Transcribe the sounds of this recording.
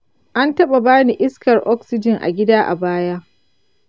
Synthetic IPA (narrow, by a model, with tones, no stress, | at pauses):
ʔa˦ntɐ˦ɓa˨baː˦ni˨ʔɪ˦skɐ˨rʔɔ˦ksɪ˦d͡ʒɪ˨ŋʔa̰˨ɡʲɪ˦daː˦ʔa̰˨baː˦jaː˦ʔ